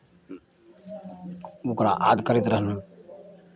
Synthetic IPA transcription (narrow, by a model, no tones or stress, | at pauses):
ukɾa̰ʔaːd̪kəɾit̪ɾəɦnũː